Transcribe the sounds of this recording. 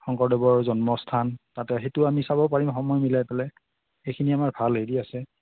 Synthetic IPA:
xɔŋkɔɹdɔbɔɹzɔnmɔstʰantatɛɦetʊamisabɔpaɹimxɔmɔjmilajpɛlɛ | xejkʰiniamaɹbʱalediasɛ

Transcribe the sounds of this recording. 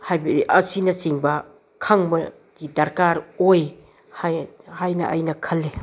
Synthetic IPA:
hajbɐdiʔɐsinɐsiŋbɐ | kʰaŋmɐ | d̥idɐɾkaɾoj | hahajnɐ̰ʔɐ̰jnɐkʰɐlːe

